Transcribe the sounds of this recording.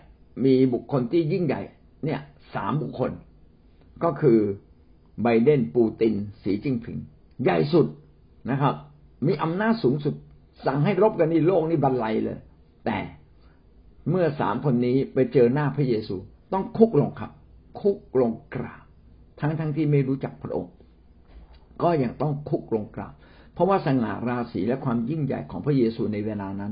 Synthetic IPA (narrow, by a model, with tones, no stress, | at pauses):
miː˧bu˨˩kʰːo˧nt̪ʰiː˥˩ji˥˩ŋja̰˨˩j | ni˥˩ɐsa̰ː˩˦mbu˨˩kʰːo˧n | kɔː˥˩kʰɯː˧ | ba˧jde˥˩npuː˧t̪i˧nsiː˩˦t͡ɕi˧ŋp̪ʰɯ̰˨˩˦ŋ | ja˨˩jsu˨˩t̪̚ | na˦˥kʰa˦˥p̚ | miː˧ʔa˧mnaː˥˩t̪̚suː˩˦ŋsu˨˩t̪̚ | sa˨˩ŋɦa˥˩jɾo˦˥p̚ka˧ntiː˧˥˩loː˥˩k̚niː˦˥˩ba˧n̚la˧jlɤ̰ː˧j | t̪ɛ̰ː˨˩ | mɯ˥˩ɐsa̰ː˩˦mkʰo˧nːiː˦˥pa˧jt͡ɕɤː˧naː˥˩pʰɾa˦˥jeː˧suː˧t̪ɔ˥˩ŋkʰu˦˥k̚lo˧ŋkʰa˦˥p̚kʰu˦˥k̚lo˧ŋkɾa̰ː˨˩p̚ | t̪ʰa˦˥ŋt̪ʰa˦˥ŋt̪ʰiː˥˩ma˥˩jɾuː˦˥t͡ɕa˨˩k̚pʰɾa˦˥ʔo̰˧ŋ | kɔː˥˩ja˨˩k̚t̪ɔ˥˩ŋkʰu˦˥k̚lo˧ŋkɾa̰ː˨˩p̚ | pʰɔ˦˥waː˥˩sa˧ŋa̰ː˨˩ɾaː˧siː˩˦lɛ˦˥kʰwaː˧mji˥˩ŋja̰˨˩jkʰɔː˩˦ŋpʰɾa˦˥jeː˧suː˧na˧jweː˧laː˧na˦˥n